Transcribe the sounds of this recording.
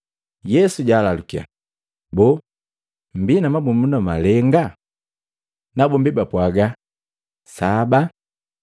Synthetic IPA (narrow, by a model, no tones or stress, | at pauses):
jɛsuɟaːlalukia̰ | bɔ | m̩binamabumbunamalɛŋɡa | nabɔmbibapwaɡa | saba